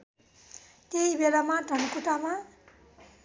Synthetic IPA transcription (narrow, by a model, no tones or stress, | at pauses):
t̪eibelamaɖʱʌnkuʈama